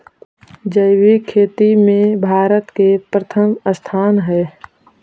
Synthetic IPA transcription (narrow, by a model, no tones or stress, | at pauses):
d͡ʒəɪwikʰeːt̪imẽbʱaːɾət̪kepɾət̪ʰəməst̪ʰaːnɦɛ